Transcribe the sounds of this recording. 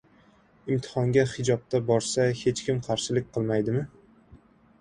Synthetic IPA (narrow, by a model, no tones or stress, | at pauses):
ɪmt̪ʰɪ̥hɒŋɡʲahɪd͡ʒɒp̚t̪ʰabɒɾsahe̞t͡ʃkʲɪmqʰɑɾʃɪlɪk̚ʲqʰɨlˠmajd̪ɪmɪ